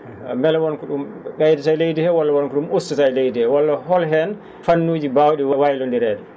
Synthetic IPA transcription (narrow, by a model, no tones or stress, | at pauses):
mɛlɛwɔnkɔɗumɓɛjdɛtajlejdihɛwɔlːawɔnkɔɗumustatajlejdihɛwɔlːaɦɔlɦɛn | fanːuːd͡ʒibawɗiwawajlɔndiɾɛːɗɛ